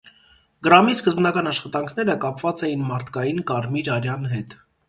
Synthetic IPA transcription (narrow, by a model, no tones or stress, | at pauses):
ɡəɾɑmiskəzbnɑkɑnɑʃχɑt̪ɑŋkʰnɛɾəkɑpvɑt͡sɛjinmɑɾt̪ʰkɑjinkɑɾmiɾɑɾjɑnɦɛt̪